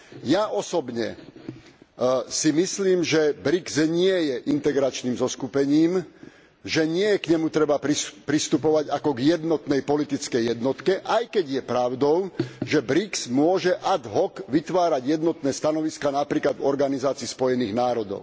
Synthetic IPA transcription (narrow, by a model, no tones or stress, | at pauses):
jaʔɔsɔbɲɛ̰ | simisliːmʒɛbɾikzɲɪɛjɛʔint̪ɛɡɾat͡ʃniːmzɔskupɛɲiːm | ʒɛɲɪɛjɛkɲɛmut̪ɾɛbapɾipɾist̪upɔʋaɟakɔɡjɛd̪nɔt̪nɛjpɔlit̪it͡skɛjːɛd̪nɔt̪kɛʔajkɛɟjɛpɾaʊd̪ɔʊʒɛbɾiksmʊɔʒɛʔad̪ɦɔkʋit̪ʋaːɾaɟjɛd̪nɔt̪nɛːst̪anɔʋiskanapɾiːklad̪vɔɾɡanizaːt͡siːspɔjɛniːɣnaːɾɔd̪ɔ̰ʊ